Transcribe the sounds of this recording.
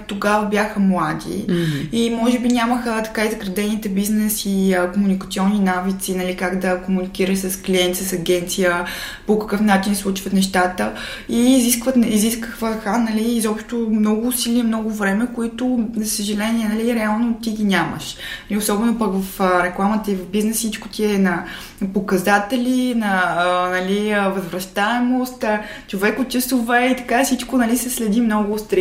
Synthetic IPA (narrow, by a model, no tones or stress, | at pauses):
t̪oɡavəbjaxəmlˠad̪ḭimɔʒɛbinʲaməxət̪ɐ̥kaizɐɡɾɐd̪ɛnit̪ɛbiznɛsiəkomunikət̪sʲiɔnːinavit̪sinɐlikaɡd̪əkomunikiɾəʃsəskliɛnt̪isəsɐɡʲɛnt̪sijə | pokəkɤfnat͡ʃinslˠut͡ʃvət̪nɛʃt̪at̪ə | iːziskvət̪niziskəxvəxanɐliːzɔpʃt̪omnɔɡʊːsiliɛmnɔɡʊvɾɛmɛkoit̪ʊzəsəʒɛlɛniɛnɐliɾɛalˠnot̪iɡinʲamə̰ʃliʊsɔbɛnʊpəkvɐfɾɛklˠamət̪əivɐvbiznɛssit͡ʃkʊ̥t̪ʲiɛnɐ | pokɐzat̪ɛlʲinɐːnɐliəvəzvɾɐʃt̪aɛmost̪t͡ʃovɛkʊt̪t͡ʃəsovɛit̪ɐ̥kafsit͡ʃkonɐlisɛslɛd̪imnɔɡʊst̪ɾ